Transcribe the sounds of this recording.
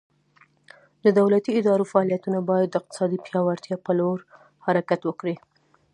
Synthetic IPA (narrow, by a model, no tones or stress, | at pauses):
d̪əd̪awlat̪iɪd̪ɑɾofaɑlijat̪unabɑjad̪ːəɪq̚t̪ɪ̥sɑd̪ipjɑwaɾt̪jɑpəloɾ | haɾakat̪wəkɽi